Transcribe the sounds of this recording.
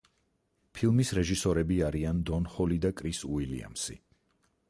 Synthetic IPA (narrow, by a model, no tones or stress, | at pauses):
pʰilˠmisɾɛʒisɔɾɛbiaɾiand̪ɔnχɔlid̪akʼɾisuilḭa̰msḭ